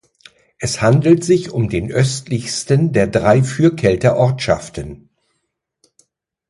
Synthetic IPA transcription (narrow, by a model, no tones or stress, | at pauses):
ʔɛshandl̩tz̥ɪçʊmdeːnʔœstlɪçstəndeːɐdʁaɪfyːɐkʰɛltɐʔɔɐtʃa̰ftən